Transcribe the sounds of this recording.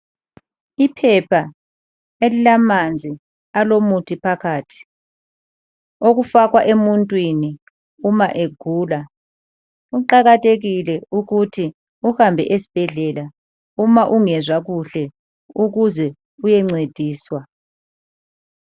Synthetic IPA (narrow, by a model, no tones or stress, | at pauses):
ipʰɛpʰa | elilamand͡zʱi | alomutʰipʰakʰaːtʰi̥ | oɣufaɣwaʔemuntʼwini | umaʔeɡ̥ʱuːla | uǃaɣatʰʼeɣilɛuɣutʰi | uhambʱɛ̰ʔesi̥b̥ʱɛɮɛla | umaʔuŋɛzwaɣuɬɛ | uɣuzɛ | ujɛŋ͡ǀed̥ʱiːswa